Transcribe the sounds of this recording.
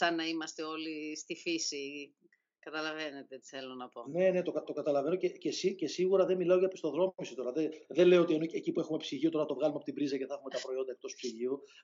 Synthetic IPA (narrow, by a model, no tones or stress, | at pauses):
sɐnɐimɐst̪e̞o̞list̪ifisi | kɐt̪ɐlɐve̞net̪et̪i̥θelo̞nɐpo̞ne̞ne̞t̪okɐt̪o̞kɐt̪ɐlɐve̞no̞cecesice̞siɣuɾɐðemilɐo̞ʝɐpist̪o̞ðɾo̞misi̥t̪o̞ɾɐðeðe̞leoot̪ienoecipue̞xumepsiʝio̞t̪o̞ɾɐt̪o̞vɣɐlumeɐpot̪ibɾizɐce̞θɐxumet̪ɐpɾo̞io̞nd̪ɐek̚t̪o̞spsiʝiu